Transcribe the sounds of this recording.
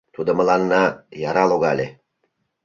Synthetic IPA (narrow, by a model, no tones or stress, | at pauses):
t̪ud̪ə̆mə̆lɑnːɑjɑɾɑloɣɑlʲe